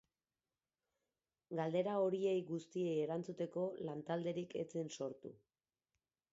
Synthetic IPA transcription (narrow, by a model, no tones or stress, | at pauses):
ɡald̪e̞ɾao̞ɾie̞jɣust̪ie̞jeɾant͡sut̪e̞ko̞lant̪ald̪e̞ɾike̞̰t͡se̞nso̞ɾt̪ṵ